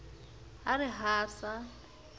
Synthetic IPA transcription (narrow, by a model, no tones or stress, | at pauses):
arɪɦaːsa